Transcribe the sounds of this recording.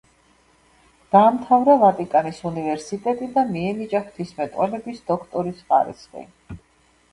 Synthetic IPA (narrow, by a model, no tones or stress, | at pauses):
d̪̥aːmt̪ʰavɾavat̪ʼikʼanisunivɛɾsit̪ʼɛt̪ʼid̪amiɛnit͡ʃʼaχt̪ʰismɛt̪ʼwɛlɛbisd̪ɔkʰt̪ʼɔɾisχa̰ɾḭsqʼḭ